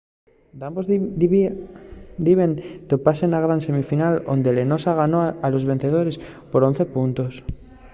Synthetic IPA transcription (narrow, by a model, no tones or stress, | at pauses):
d̪ambo | d̪iβent̪opasenaɣ̞ɾanse̞mifinalo̰nd̪e̞le̞no̞saɣ̞ano̞alo̞zβe̞n̟θe̞ð̞o̞ɾe̞spo̞ɾo̞n̟θe̞punt̪os